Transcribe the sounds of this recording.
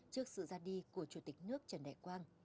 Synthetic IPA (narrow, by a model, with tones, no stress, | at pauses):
t͡ɕɨ˦˥ək̚sɨ̰˧˨zaː˧ɗi˧ku˧˩ət͡ɕu˧˩t̪ï˨˩k̟̚nɨ˦˥ək̚t͡ɕə˧˩nɗɛ̰˧˨kwaː˧ŋ